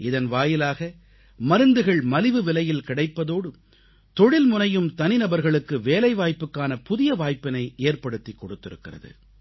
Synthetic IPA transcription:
ɪðɐnʋaːjɪlaːɣɐ | mɐɾɯnd̪ɯɣɐɭmɐlɪʋɯʋɪlɐjɪlkɪɽɐɪpːɐðoːɽɯ | t̪ɔɽɪlmʊnɐjɯmt̪ɐnɪnɐbɐɾɣɐɭɯkːɯʋeːlɐɪʋaːjpːɯkːaːnɐpʊðɪjɐʋaːjpɪnɐɪʔeːrpɐɽɯt̪ːikːɔɽɯt̪ːɪɾɯkːɪrɐ̰ðɯ̰

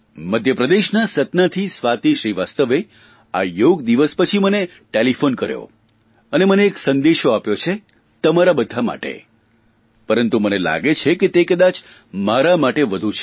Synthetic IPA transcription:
məd̪ʱjəpɾəd̪eʃnasət̪nat̪ʰisʋat̪iʃɾiʋast̪əʋe | ajoɡd̪iʋəspət͡ʃʰiməne | ʈelifonkəɾjo̰ | əneməneːksənd̪eʃoapjot͡ʃʰe | t̪əmaɾabəd̪ʱama̰ʈḛ | pəɾənt̪umənela̰ɡet͡ʃʰeket̪ekəd̪at͡ʃ | maɾamaʈeʋəd̪ʱut͡ʃʰe

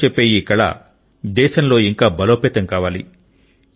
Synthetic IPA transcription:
epːeːjiːkɐɭa̰ | d̪ɛːʃɐnlo̞ːiŋkaːbɐloːpeːt̪ɐŋkaːʋaːlḭ

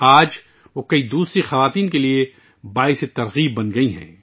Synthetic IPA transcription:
aːd͡ʒ | ʋokɐid̪uːsɾixɐʋaːt̪iːnkelie | baːɪset̪ɐɾɣiːbːɐnɡɐiɦɛ̰̃ː

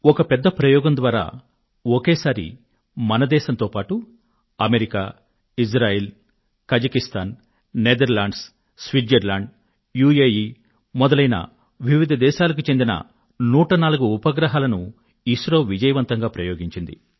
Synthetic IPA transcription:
ɔkɐpɛd̪ːɐpɾɐjɔːɡɐnd̪ʋaːɾa̰ː | ɔkeːsaːɾḭ | mɐnɐd̪ɛːʃɐnt̪o̞ːpaːʈu | ɐmeɾikaː | id͡ʒɾaːjel | kɐd͡ʒɐkist̪aːn | ned̪ɐɾlaːɳɖs | sʋiɖɐɾlaːɳɖ | juːjeːjiː | mɔd̪ɐlɐjnɐ̰ | ʋiʋid̪ʱɐd̪ɛːʃaːlɐk̬ut͡ʃend̪inɐ̰ | nuːʈɐnaːluɡuːpɐɡɾɐɦaːlɐnu | isɾoːʋid͡ʒɐjɐʋɐnt̪ɐŋɡaːpɾɐjoːɡiɲt͡ʃind̪ḭ

